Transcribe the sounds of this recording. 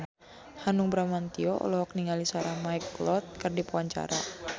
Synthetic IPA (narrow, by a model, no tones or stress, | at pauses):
hanuŋbɾamant̪iɔʔɔ̰lɔɦɔk̚niŋalisaɾahmajklɔt̪̚kɨrdipuaɲt͡ʃa̰ɾa̰